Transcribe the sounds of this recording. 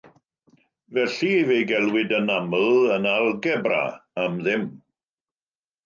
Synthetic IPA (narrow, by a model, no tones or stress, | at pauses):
vɛɬivejɡɛlˠwɪdənamlˠənalˠɡɛbra̰ːamðɪm